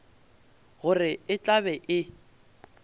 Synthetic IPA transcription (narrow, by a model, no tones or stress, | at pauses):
ɣʊrɪɪt͡ɬʼabɛʔɪ